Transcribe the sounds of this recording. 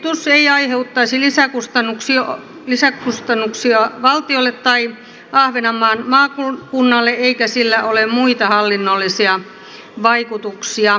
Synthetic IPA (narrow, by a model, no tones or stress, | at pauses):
t̪usːeiɑiheut̪ːɑisilisækust̪ɑnːuksi | lisækust̪ɑnːuksiɑʋɑlt̪iolːet̪tɑi | ʔɑhʋenɑmːˑɑːnmɑːkukunːɑlːeeikæsilːæolemmuit̪ɑhɑlːinːolːisiɑ | ʋɑikut̪uksiɑ